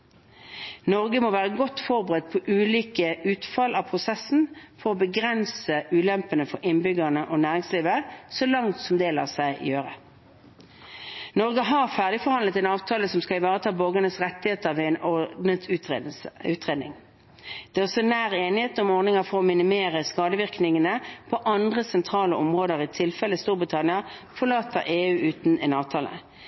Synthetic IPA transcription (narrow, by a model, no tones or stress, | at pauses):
nɔʁɡəmoʋæːʁəɡɔt̪ːfɔʁbəʁɛd̪̚pʰɔʔʉːliːkəʉːt̪fɑlɑpʰʁʊsɛsːn̩fɔʁɔbəɡʁɛnsəʔʉːlɛmpənəfɔɾʔɪnbʏɡəʁnəʔɔnæːʁɪŋsliːʋəsɔlɑŋt̪sɔmd̪eːlɑ̰ʁsæɪ̰jøːʁə | nɔʁɡəɦɑʁfæʁd̪ɪfɔʁhɑnlət̪ɛnɑːʋt̪ʰɑːləsɔmskɑɪʋɑːʁət̪ʰɑːboːɡənəsʁɛt̪ːɪheːt̪əʁʋɛɛnɔd̪nət̪ʉːt̪ʉːt̪ʁeːd̪nɪ̰ŋ | d̪̥ɛːɔsɔnæːʁeːnɪheːt̪nɔmɔʁnɪŋɑfɔʁɔmɪnɪmeːʁəskɑːd̪əʋɪʁknɪŋənəpʰɔʔɑnd̪ʁəsɛnt̪ʰʁɑːləʔɔmʁoːd̪əʁɪt̪ʰɪlfɛləst̪uːʁbʁɪt̪ʰɑnɪɑfɔʁlɑːt̪əʁeːʉːʔʉːt̪nɛnɑːʋt̪ʰɑːlə̰